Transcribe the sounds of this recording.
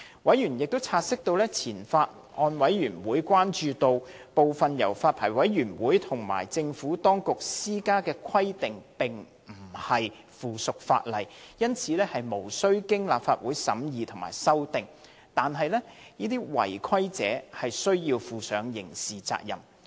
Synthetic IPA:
wɐ˨˥jjyː˨˩njɪ˨k̚t̪o˥wt͡sʰaː˧t̚sɪ˥k̚t̪o˧wlɛː˥t͡sʰiː˨˩nfaː˧t̚ | ʔɔː˧nwɐ˨˥jjyː˨˩nwuː˨˥jkʷwaː˥nt͡ʃyː˨˧t̪o˧wpo˨wfɐ˨njɐ̰˨˩wfaː˧t̚pʰaː˨˩jwɐ˨˥jɥyː˨˩nwuː˨˥jt̪ʰʊ˨˩ŋma̰ː˨˩jt͡sɪ˧ŋfuː˨˥t̪ɔː˥ŋkʊ˨k̚siː˥kaː˥kɛː˧kʷʰɐ˥jt̪ɪ˨ŋpɪ˨ŋ | m̩˨˩hɐ˨j | fuː˨˩sʊ˨k̚fa̰ː˧t̚lɐ˨˩jjɐ˥nt͡sʰiː˨˧lɛː˥hɐ˨jmo˨˩wsɵ˥ɥkɪ˥ŋlaː˨p̚faː˧t̚wuː˨˥jsɐ˨˥mjiː˨˧t̪ʰʊ˨˩ŋma̰ː˨˩jsɐ˥wt̪ɪ˨ŋ | t̪aː˨nɦɐ˨jlɛː˥niː˥t̪iː˥wɐ̰˨˩jkʷʰɐ˥jt͡sɛ̰ː˨˥hɐ˨jsɵ˥ɥjiː˧wfuː˨sœː˨˥ŋjɪ̰˨˩ŋsiː˨t͡sa̰ː˧k̚jɐ̰˨m

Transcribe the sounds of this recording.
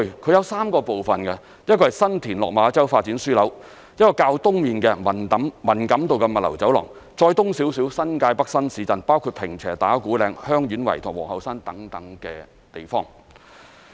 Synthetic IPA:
kʰɵ˧jɐ˨˧wsaː˥mkɔː˧po˨wfɐ˨nkɛ˧˥ | ɐ˥t̚kɔː˧hɐ˨jsɐ˥nt̪ʰiː˨˩nlɔ̰ː˨k̚maː˨˧t͡sɐ˥wfaː˧t̚t͡siː˨˥nsyː˥lɐ˨˥w | jɐ˥t̚kːɔː˧kaː˧wt̪ʊ˥ŋmiː˨nkɛː˧mɐ˨˩nt̪ɐ˨˥mmɐ˨˩nkɐ˨˥mt̪o˨wkɛ˧mɐ˨t̚lɐ̰˨˩wt͡sɐ˨˥wlɔ̰ː˨˩ŋ | t͡sɔː˧jt̪ʊ˥ŋsi˨˥wsiː˨˥wsɐ˥nkaː˧jpɐ˥k̚sɐ˥nsiː˨˥t͡sɐ˨npaː˥wkʰu˧t̚pʰɪ˨˩ŋt͡sʰɛː˨˩t̪aː˨˥kuː˨˥lɛː˧ŋhœː˥ŋjy˨˥nwɐ̰˨˩jt̪ʰʊ˨˩ŋwɔ̰ː˨˩hɐ˨˧wsaː˥nt̪ɐ˨˥ŋt̪ɐ˨˥ŋkɛː˧ | t̪e˨˩jfɔ̰ː˥ŋ

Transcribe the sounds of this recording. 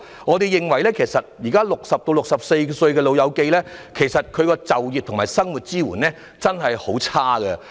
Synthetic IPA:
ŋɔː˨˧t̪e˨jɪ˨ŋwɐ˨˩jlɛː˥kʰe˨˩jsɐ˨t̚jiː˨˩kaː˥lʊ˨k̚sɐ˨p̚t̪o˧wlʊ˨k̚sɐ˨p̚se˧jsɵ˧ɥkɛː˧lo˨˧wjɐ˨˧wke˧jlɛː˥kʰe˨˩jsɐ˨t̚kʰɵ˨˧ɥkɔː˧t͡sɐ˨wjiː˨t̚t̪ʰmaː˨˩jsɐ˥ŋwuː˨t̚t͡siː˥wuː˨˩nɛː˥ | t͡sɐ˥nɦɐ˨jho˨˥wt͡sʰaː˥ɡɛ˧

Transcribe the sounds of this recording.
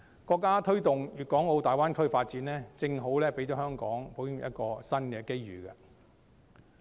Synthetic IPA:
kɔː˧kːaː˥t̪ʰɵ˥ɥt̪ʊ˨ŋjyː˨˩kɔː˨˥ŋo˧wt̪aː˨jwaː˥nkʰɵ˥ɥfaː˧t̚t͡siː˨˥nlɛː˥t͡sɪ˧ŋɦo˨˥wlɛː˥pe˨˥jt͡ʃɔː˨˥hœː˥ŋkɔː˨˥ŋpʰo˨˥wjɪ˥ŋjɐ̰˦˥t̚kɔː˧sɐ˥nkɛː˧ke˥jɥy̰ː˨kɐ˧

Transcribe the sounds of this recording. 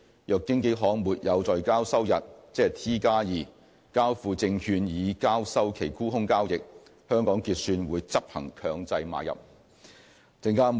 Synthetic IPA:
jœː˨˧kːɪ˥ŋke˨˥ɦɔː˨˥ŋmuː˨˩t̚jɐ˨˧wt͡sɔː˨jkaː˥wsɐ˥wjɐ˨t̚t͡sɛː˥˨˩t̪ʰiː˥kaː˥jiː˨˩ | kaː˥wfuː˨˧t͡sɪ˧ŋhʰyː˧njiː˨˧kaː˥wsɐ˥wkʰe˨˩jkuː˥hʊ˥ŋkaː˥wjɪ˨k̚ | hœː˥ŋkɔː˨˥ŋkiː˧t̚syː˧nwuː˨˧jt͡sɐ˥p̚hɐ̰˨˩ŋkʰœː˨˧ŋt͡sɐ˧jma̰ː˨˧jɐ̰˨p̚ | t͡sɪ˨˧ŋkaː˥

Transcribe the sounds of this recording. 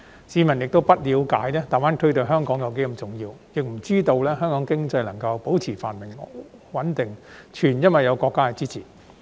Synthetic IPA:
siː˨˧mɐ˨˩njɪ˨k̚t̪o˥wpɐ˥t̚liː˨˧wka̰ː˨˥jlɛː˥t̪aː˨˩waː˨˥nt̪ʰɵ˥ɥt̪ɵ˨˩ɦœː˥ŋkɔː˨˥ŋjɐ˨˧wk̬e˨˥jkɐ˨˧mt͡sʊ˨˩ŋjiː˧wjɪ˨k̚m̩˨˩t͡siː˥t̪o˧wlɛː˥ɦœː˥ŋkɔː˨˥ŋkɪ˥ŋt͡sɐ˧jlɐ˨˩ŋkɐ˧wpo˨˥wt͡sʰiː˨˩fa̰ː˨˩nmɪ˨˩ŋwɐ˨˥nt̪ɪ˨˩ŋt͡ʃʰyː˨˩njɐ˥nwɐ˨jɐ˨˧wkɔː˧kːaː˥kɛ˨˧t͡siː˥t͡sʰḭː˨˩

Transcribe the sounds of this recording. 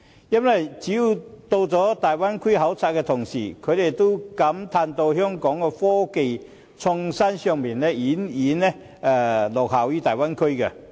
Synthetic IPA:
jɐ˥nwɐ˨jt͡siː˨˥ju˧˩wt̪o˧wt͡sɔː˨˥t̪aː˨˩jwa˥nkʰʊ˥jɦɐ˨˥wt͡sʰa˧t̚kɛ˧t̪ʰʊ˨˩ŋsḭː˨˩kʰɵ˨˧ɥt̪e˨˩jt̪o˥wkɐ˨˥mt̪ʰaː˧nt̪o˧wɦœː˥ŋkɔː˨˥ŋkɛ˧fɔː˥ke˨j | t͡sʰʊ˧ŋsa˥nsœː˧ŋmiː˨˩nlɛ˥iː˨˥niː˨˥nːɛ˥ | ɛ˨˧lɔː˨˩k̚hɐ˨˩wjyː˥t̪aː˨˩jwa˥nkʰɵ˥kɐ˧

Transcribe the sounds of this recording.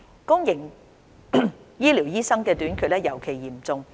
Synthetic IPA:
kʊ˥ŋjɪ˨˩ŋ | jiː˥li˨˩wjiː˥sɐ˥ŋkɛː˧t̪yː˨˥nkʰɵ˧lɛː˥jɐ˨˩wkʰe˨˩jjiː˨˩mt͡sʊ˧ŋ

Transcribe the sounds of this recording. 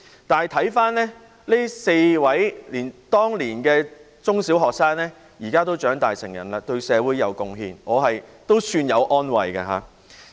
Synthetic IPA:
t̪aː˨nɐ˨jt̪ʰɐ˨˥jfaː˥nlɛː˥ | li˥se˧jwɐ˨˥jliː˨˩nt̪ɔː˥ŋliː˨˩nkɛː˧ | t͡sʊ˥ŋsiː˨˥wɦɔː˨k̚saː˥ŋnɛː˥ | jiː˨˩kaː˥t̪o˥wt͡ʃœː˨˥ŋt̪aː˨˩jsɪ˨˩ŋjɐ̰˨˩nlaː˧t̪ɵ˧ɥsɛː˨˧wuː˨˥jɐ˨˧wkʊ˧ŋɦḭː˧nɔː˨˧ɦɐ˨jt̪o˥wsyː˧njɐ˨˧wʔɔː˥nwɐ̰˨jkɐ̰˧ɦa̰ː˨˧˦

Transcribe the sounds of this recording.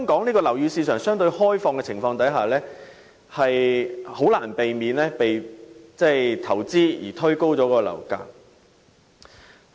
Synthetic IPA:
œ˥ŋkɔː˨˥ŋniː˥kɔː˧lɐ˨˩wjyː˨˧siː˧sœː˨˩ŋsœː˥ŋt̪ɵ˧ɥhɔː˥jfɔː˧ŋkɛ˧t͡sʰɪ˨˩ŋfɔː˧ŋt̪ɐ˨˥jɦaː˨˩lɛː˥ | hɐ˨jho˨˥wlaː˨˩npe˨jmiː˨˧nlɛː˥pe˨jt͡sɛː˥˩t̪ʰɐ˨˩wt͡siː˥jiː˨˩t̪ʰɵ˥ɥko˥wt͡sɔː˨˥kːɔː˧lɐ̰˨˩wka̰ː˧k̚

